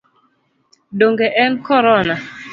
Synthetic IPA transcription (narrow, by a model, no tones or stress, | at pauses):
doŋɡeʔɛnkɔɾɔna